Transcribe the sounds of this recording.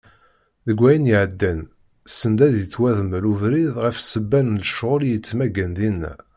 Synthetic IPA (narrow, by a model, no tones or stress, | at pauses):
ðəɡʷːæjənjiʕəd̪ːæn | sːənd̪æðjət͡sːwæðəməɾuvɾiðʁəfsəbːænləʃʁʊljət͡sːmæɡænd̪inːæ̰